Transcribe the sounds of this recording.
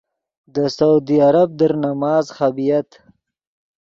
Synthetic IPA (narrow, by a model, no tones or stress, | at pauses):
d̪əsawd̪iaɾab̚d̪əɾnamɑːzxabijat̪